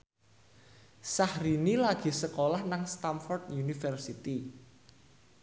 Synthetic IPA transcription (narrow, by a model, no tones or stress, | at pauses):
sahɾinilaɡ̥i̤səkolahnaŋst̪amfɔrd̪junifərsit̪i